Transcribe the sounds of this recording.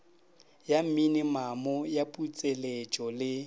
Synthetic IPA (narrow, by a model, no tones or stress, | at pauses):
jam̩minɪmamɔjapʼut͡sʼelet͡ʃʼɔlɪ